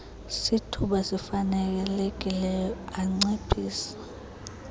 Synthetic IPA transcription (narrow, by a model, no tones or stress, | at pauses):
sitʰuɓasifanɛk̬ɛlek̬ʼilɛjɔaŋ͡ǀepʰiːsḁ